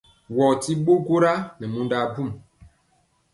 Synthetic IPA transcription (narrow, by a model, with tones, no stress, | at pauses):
wɔ˨ti˦ɓo˦ko˦ɾa˦nɛ˨mu˦nda˦bu˦˨m